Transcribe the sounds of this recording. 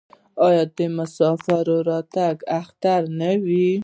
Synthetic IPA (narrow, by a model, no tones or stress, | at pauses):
ɑjɑd̪əmasɑfaɾoɾɑt̪aɡaxt̪aɾnawi